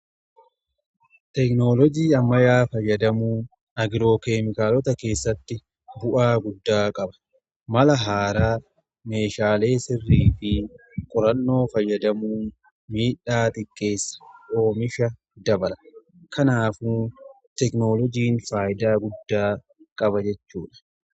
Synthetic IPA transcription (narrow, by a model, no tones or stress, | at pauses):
t̪ɛkno̞ːlɔd͡ʒiːɐmːɐjaːfɐjːɐd̪ɐmuːn | ɐɡɪɾo̞ːke̞ːmɪkaːlɔt̪ɐke̞ːsːɐt̪ːɪ | bʊʔaːɡʊd̪ːaːkʼɐbɐ̥ | mɐlɐɦaːɾaː | me̞ːʃaːle̞ːsɪrːiːfi | kʼɔɾɐnːo̞ːfɐjːɐd̪ɐmuːn | miːᶑaːt̪ɪkʼːe̞ːsːɐ̥o̞ːmɪʃɐ | d̪ɐbɐlɐ | kʰɐnaːfuː | t̪ɛkno̞ːlɔd͡ʒiːnfaːjɪd̪aːɡʊd̪ːaː | kʼɐbɐd͡ʒɛt͡ʃːuːᶑɐ̥